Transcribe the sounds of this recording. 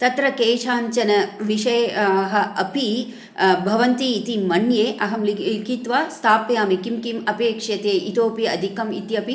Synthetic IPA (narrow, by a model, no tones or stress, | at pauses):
t̪ɐt̪ɾɐkeːʃaːɲt͡ʃɐnɐʋiʂɐjɦɐ̆ɐpi | bʱɐʋɐnt̪iːt̪imɐnjeːʔɐɦɐmlilikit̪ʋaːst̪ʰaːpjaːmikimkimɐpeːkʂjɐt̪eːʔit̪oːpiɐd̪ʱikɐmḭt̪iɐpi